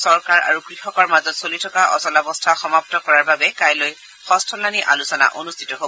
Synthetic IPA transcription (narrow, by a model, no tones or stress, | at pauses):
sɔɹkaɹa̰ɹukɹixɔkɔɹmazɔtsolitʰɔkaʔɔ̰sɔlabɔstʰaxɔmaptɔkɔɹaɹbabɛkajloj | xɔstʰɔlaniʔa̰lusɔna̰ʔonustʰitɔɦobɔ